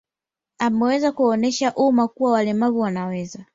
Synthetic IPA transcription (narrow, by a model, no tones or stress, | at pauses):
amuwɛzakuɔnɛʃaʔumakuwawalɛmaβuwanawɛza